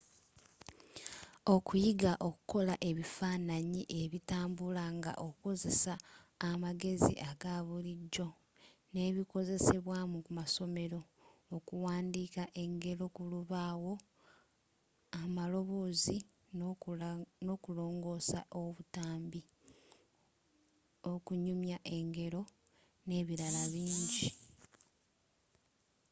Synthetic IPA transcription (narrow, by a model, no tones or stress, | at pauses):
okujiɡaʔo̞ku̥ko̞laʔe̞βifaːnaɲiʔe̞βitaːmbulaŋɡa̰ʔokuko̞ze̞saː | maɡe̞zḭʔaɡaβuliɟːo̞ | ne̞ːβiko̞ze̞se̞βwaːmukumaso̞me̞ɾo̞ː | kuwaːndiːkaʔe̞ŋɡe̞ɾo̞kuluβaːwo̞ | amalo̞βo̞ːzi | no̞kulo̞ːŋɡo̞ːsa̰ʔoβutaːmbi | okuɲumjaʔe̞ŋɡe̞ɾo̞ | ne̞ːβiɾalaβiːɲɟi